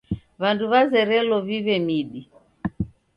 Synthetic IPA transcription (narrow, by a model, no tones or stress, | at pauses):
βanduβazɛɾɛlɔviβɛmiɗi